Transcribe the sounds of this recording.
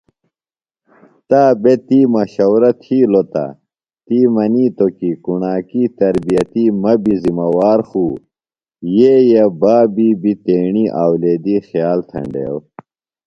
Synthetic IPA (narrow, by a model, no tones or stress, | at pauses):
t̪aːbet̪iːmɐɕɐwɾɐt̪ʰiːlot̪a̰ | t̪iːmɐniːt̪okikuɳaːkiːt̪ɐɾbijɐt̪iːmɐbizimɐwaːɾxuː | jeːjɐbaːbiːbit̪eːɳiːʔaːwleːd̪iːxjaːlt̪ʰɐ̰ɳɖḛːw